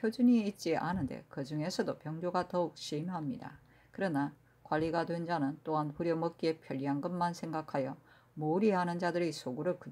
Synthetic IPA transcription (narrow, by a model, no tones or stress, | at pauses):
jod͡ʑuɲiːt̚t͡ɕ͈iʔanɯnde̞̰kɯd͡ʑuŋe̞sʰʌdopjʌŋd͡ʑoɡatʌuk̚ɕ͈imɦamɲida̰ | kɯɾʌna | kwaʎːiɡadwe̞nd͡ʑanɯnt͈oɦanɸuɾjʌmʌk̚k͈iepʰjʌʎːianɡɯmːansʰe̞ŋɡakʰajʌ | mouɾiɦanɯnd͡ʑadɯɾisʰoɡuɾɯɭkɯd